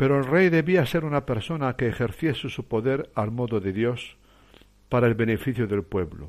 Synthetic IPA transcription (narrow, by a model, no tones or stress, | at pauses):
pe̞ɾoelrejðe̞βiase̞ɾunape̞ɾso̞nakeːxe̞ɾθje̞susupo̞ðe̞ɾalmo̞ðoðe̞ðjo̞s | paɾaelβe̞nefiθjoðe̞lpwe̞βlo̰